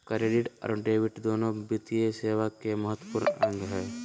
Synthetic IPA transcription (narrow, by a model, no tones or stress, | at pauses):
kɐɾeɖɪʈə̰ɾɖeːʋɪʈd̪oːnõbɪt̪ieseːʋakemɐɦət̪wəpʊɾnɐ̰̃ŋɡɦɛː